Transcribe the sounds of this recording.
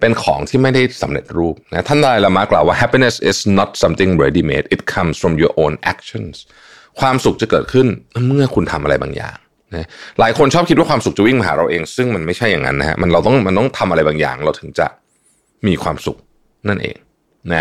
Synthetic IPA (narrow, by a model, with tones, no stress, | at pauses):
pe˧nkʰɔː˩˦ŋt̪ʰiː˥˩ma˥˩jda˥˩jsa˩˦mɾe˨˩t̪̚ɾuː˥˩p̚na˦˥t̪ʰa˥˩nd̪a˧aː˧jla˧maː˦˥klaː˨˩waː˥˩ɦɛ˦pi˧ne˨˩si˨˩snɔ˦˥t̪̚sa˧mt̪i˨˩ŋɾe˧˦diː˧˩mḛː˦˥t̪̚ʔi˨˧t̪̚kʰa˧msfɾɔ˧mjuː˨˧ʔoː˧˥nʔɛ˧˦˥k̚t͡ɕʰɔ˧˥˩ns | kʰwaː˧msu˨˩k̚t͡ɕa˨˩kɤː˨˩t̪̚kʰɯ˥˩nmɯ˥˩ɐkʰu˧nt̪ʰa˧mʔa˧ɾa˧jba̰ː˧ŋja̰ː˨˩ŋ | na˦˥laː˩˦jkʰo˧nt͡ɕʰɔː˥p̚kʰi˦t̪̚wa˥˩kwaː˧msu˨˩k̚t͡ɕa˨˩wi˥˩ŋma˧ɦa̰ː˩˦ɾa˧wʔeː˧ŋsɯ˥˩ŋma˧nma˥˩jt͡ɕʰa˥˩jːa˨˩ŋːa̰˦˥nːa˦˥ha̰˦˥ʔma˧nɾa˧wt̪ɔ˥˩ŋma˧nt̪ɔ˥˩ŋt̪ʰa˧mʔa˧ɾa˧jbaː˧ŋja̰ː˨˩ŋɾa˧wt̪ʰɯ˩˦ŋt͡ɕa̰˨˩ | miː˧kʰwaː˧msṵ˨˩k̚ | na˥˩nʔḛː˧ŋ | na˦˥